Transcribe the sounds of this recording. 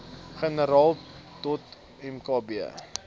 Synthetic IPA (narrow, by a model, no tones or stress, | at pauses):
χənəɾɑːlˠtɔt | ɛmkɑːbiə̰